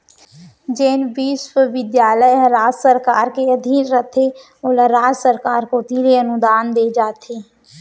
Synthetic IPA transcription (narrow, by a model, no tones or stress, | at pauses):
d͡ʒeːnʋiːʃwəʋɪd̪jaːləjɦɐɾaːd͡ʒsəɾkaːɾkeɐd̪ʱiːnɾət̪ʰe | oːləɾaːd͡ʒsəɾkaːɾkot̪iːɾeənʊd̪aːnd̪eːd͡ʒaːt̪ʰeː